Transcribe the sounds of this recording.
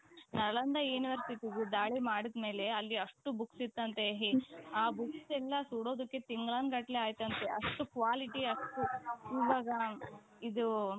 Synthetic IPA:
nɐɭɐnd̪ɐjuːniʋɐɾsiʈiɡud̪aːɭimaːɽid̪me̞ːle̞ɐlːiɐʂʈubuksit̪ːɐnt̪eɦeaːbuksɛlːɐsuɽo̞ːd̪ukːe̞t̪iŋɡɭaːnɡɐʈleaːjt̪ːɐnt̪eʔɐ̰ʂʈukʋaːliʈiɐʂʈuiːʋaːɡɐ | id̪u

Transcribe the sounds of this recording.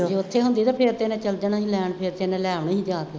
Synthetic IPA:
d͡ʒeʊt̪ʰːeːɦʊ̃nd̪iːt̪aːpʰeɾt̪eːnɛ̃ːt͡ʃəld͡ʒənaːɦĩːlɛːɳpʰɪɾt̪enɛ̃ːlɛːʋɳːɦĩd͡ʒaːd̪

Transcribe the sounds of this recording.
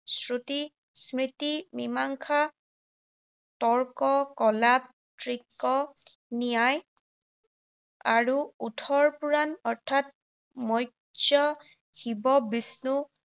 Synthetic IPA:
sɹuti | sɹitimimaŋkʰa | tɔɹkɔkɔlab̚ | tɹikːɔ | nijaj | aɹuutʰɔɹpuɹanɔɹtʰat̚ | mɔj | d͡ʒɔ | hibɔbisnu

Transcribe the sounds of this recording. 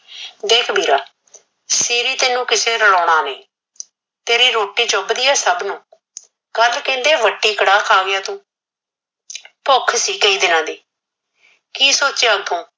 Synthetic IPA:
d̪eːkʰbʱiːɾaː | siːɾiːt̪eːnũːkɪseːɾəɽɔːɽ̃aːnẽː | t̪eːɾiːɾoːʈiːd͡ʒobd̪iːɛːsəbnũː | kəlkɛ̃ːnd̪eːʋəʈːiːkəɽaːkʰaːɡɪjaːt̪ũː | pʊkʰsiːkeiːd̪ɪnãːd̪iː | kiːsoːt͡ʃeət̪ʰũː

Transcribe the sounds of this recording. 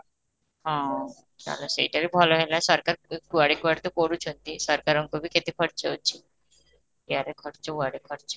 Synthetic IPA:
ɦɔ̃ | t͡ʃa̰losejʈaɾibʱɔloɦelaesɔɾkaɾkuaɽekuaɽt̪opoɽut͡ʃʰont̪isɔɾkaɾɔŋkobʱiket̪ekʰɔɾt͡ʃeot͡ʃʰi | jaɾekʰɔɾt͡ʃɔuaɽekʰɔɾt͡ʃɔ

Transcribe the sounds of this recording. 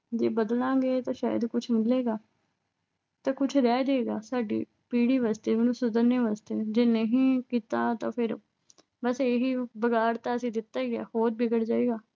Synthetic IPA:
d͡ʒeːbəd̪lãːɡeːt̪ãːʃa̰ːjəd̪kʊt͡ʃʰmɪd̪leːɡaː | t̪ãːkʊt͡ʃʰɾɛːd͡ʒaːeːɡaːsaːɖḭː | piːɽiːʋaːst̪eːʋeːnũːsʊd̪əɾneːʋaːst̪eːd͡ʒeːnẽɦĩːkiːt̪aːt̪ãːpʰɪɾ | bəseːɦiːbəɡaːɾt̪ãːəsĩːd̪ɪt̪ːaːɡa̰ːhoːɾbɪɡəɽd͡ʒaːeːɡaː

